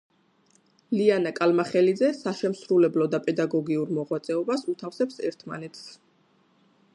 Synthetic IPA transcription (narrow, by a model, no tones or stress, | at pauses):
lianakʼalmaχɛlid̪zɛsaʃɛmsɾulɛblɔd̪apʼɛd̪aɡɔɡiuɾmɔʁwat̪sʼɛɔbasut̪ʰafsɛpsɛ̰ɾt̪ʰma̰nɛt̪ʰs